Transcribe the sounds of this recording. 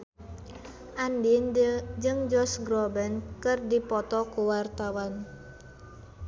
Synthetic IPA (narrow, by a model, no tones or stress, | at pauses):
ʔandind͡ʒɨŋd͡ʒɔsɡɾɔbɛnkɨrdipɔt̪ɔkuwart̪awan